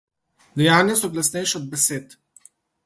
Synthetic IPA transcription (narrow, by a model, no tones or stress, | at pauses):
d̪ɛjaːnʲjasɔklasnɛjʃɔd̪̚bɛseːt̪